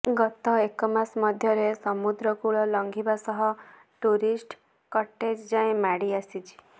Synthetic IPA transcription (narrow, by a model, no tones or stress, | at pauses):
ɡɔt̪ɔekɔmasmɔd̪ʱjɔɾesɔmud̪ɾɔkuɭɔlɔŋɡʱibasɔɦɔ | ʈuɾisʈ | kɔʈed͡ʒd͡ʒaẽmaɽiasit͡ʃʰi̥